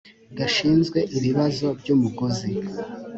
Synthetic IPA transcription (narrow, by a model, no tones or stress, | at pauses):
ɡaʃiːnzɡwe̞ʔiβiβazo̞ɾɟoːmuɡozi